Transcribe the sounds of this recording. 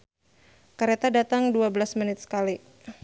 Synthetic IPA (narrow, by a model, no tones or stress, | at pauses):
kaɾet̪adat̪aŋduabəlasmənɪt̪̚sə̥kali